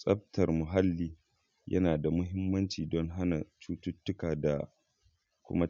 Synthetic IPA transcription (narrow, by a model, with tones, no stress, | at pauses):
sʼɐ˦b̚tɐ˨rmʊ˨ɦa˦lːiː˦ | jʔɐ̰˦naː˨da˨mʊ˦ɦɪ˦mːɐ˦nt͡ʃiː˨dɔ˦ŋɦa˦na˨t͡ʃuː˦tʊ˦tːʊ˦kaː˨da̰˨ | kʷʊ̰˦ma˦